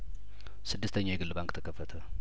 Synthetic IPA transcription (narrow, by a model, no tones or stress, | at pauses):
sɨd̪ːɨst̪ʰəɲːawjɛɡɨlːbaŋkt̪ʰəkʰəfːət̪ʰə